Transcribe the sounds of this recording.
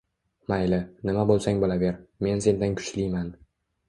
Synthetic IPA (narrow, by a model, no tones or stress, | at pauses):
majlɪnɪmabolˠsaŋbɒlave̞ɾme̞nse̞nd̪ankʰʊ̥t͡ʃlijman